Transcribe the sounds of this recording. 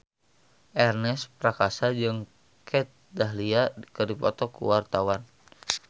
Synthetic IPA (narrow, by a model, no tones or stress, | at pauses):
ʔɛrnɛspɾakasad͡ʒɨŋ | kʰɛt̪̚daɦliadikədipɔt̪ɔkṵwart̪awan